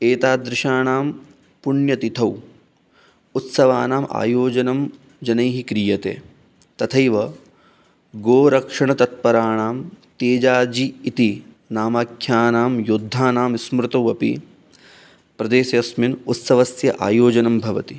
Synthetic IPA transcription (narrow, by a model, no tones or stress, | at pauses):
eːt̪aːd̪ɾɪʃaːɳaːm | puɳjɐt̪it̪ʰɐw | ut̪sɐʋaːnaːmʔa̰ːjoːd͡ʒɐnɐm | d͡ʒɐnɐjɦikɾijɐt̪ḛː | t̪ɐt̪ʰɐjʋɐ | ɡoːɾɐkʂɐɳɐt̪ɐt̪̚pɐɾaːɳaːmt̪eːd͡ʒaːd͡ʒiːt̪i | naːmaːkʰjaːnaːmjud̪ʱːaːnaːmismɾut̪ɐwɐpḭ | pɾɐd̪eːsɐɐsminut̪sɐʋɐsjɐʔa̰ːjoːd͡ʒɐnɐmbʱɐʋɐt̪i